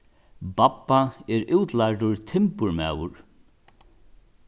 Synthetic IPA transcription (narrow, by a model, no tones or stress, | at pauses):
bapːaɛɾuwt̪lajʈʊɹt̪ʰɪmpʊɹma̰ːwʊɹ